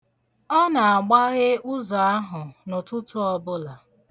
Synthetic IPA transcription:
ɔ˦na˨a˨ɡ͡ba˦ɣɪ˦ʊ˦zɔ˨a˦ɦʊ˨nʊ˨tʊ˦tu˦ɔ˦bʊ˦la˨

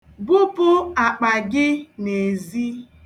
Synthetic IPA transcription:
bʊ˦pʊ˦a˨k͡pa˨ɡɪ˦ne˨zi˦

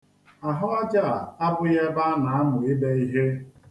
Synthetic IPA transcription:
a˨ɦɔ˦a˦d͡ʒa˦˨a˨a˦bʊ˦je˦ba˦na˨a˦nʊ˨ɪ˦be˦i˦ɦe˦

